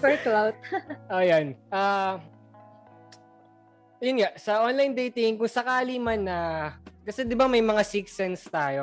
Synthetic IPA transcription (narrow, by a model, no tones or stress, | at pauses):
pɛɹklawt̪̚ʔoːjanʔa | jʊnɡaʔsɐʔonlajnd̪ɛjt̪ɪŋkʊŋsɐkaːlimanːɐkɐsɛd̪ɪbamɐjmɐŋasiksɛnst̪aːjo̞